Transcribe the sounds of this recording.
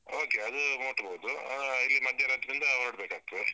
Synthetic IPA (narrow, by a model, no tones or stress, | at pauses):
oːkeɐd̪umoːʈːɐboːd̪uilːimɐd̪ʱjɐɾat̪ːɐɾind̪ɐnɐɽbeːkaːɡ̚t̪ːu